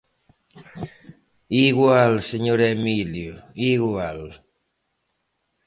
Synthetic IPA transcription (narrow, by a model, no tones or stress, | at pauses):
iɣwalseɲoɾemiljoiɣwal